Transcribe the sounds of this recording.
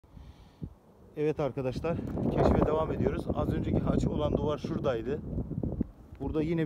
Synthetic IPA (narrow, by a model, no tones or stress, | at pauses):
ɛvɛt̪ʰaɾkad̪aʃlˠaɾ̥cʰeʃimɛd̪e̞vame̞d̪ijo̞ɾuza̰zø̞nd͡ʒecʰiɦat͡ʃo̞lˠand̪uvaɾʃuɾd̪ajd̪ɯ | buɾd̪ajinɛ